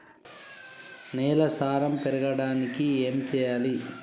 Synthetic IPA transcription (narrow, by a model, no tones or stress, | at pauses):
nɛːlɐsaːɾɐmpɛɾɐɡɐɽaːnikieːmt͡ʃɛːjaːli